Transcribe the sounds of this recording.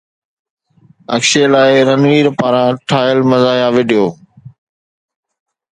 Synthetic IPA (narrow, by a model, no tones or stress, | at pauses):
ɐ̰kʃeːlaːɪɾɐnʋiːɾpaːɾãːʈʰaːjəlmɐzaːjãːʋɪɖɪjoː